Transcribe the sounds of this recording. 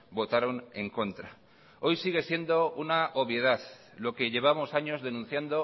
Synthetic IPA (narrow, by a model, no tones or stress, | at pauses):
bo̞t̪aɾo̞ne̞ŋko̞nt̪ɾa | o̞jsiɣ̞e̞sje̞nd̪o̞unaoβje̞ð̞aθ | lo̞ke̞ʝe̞β̞amo̞saɲo̞zðe̞nũn̟θjand̪o̞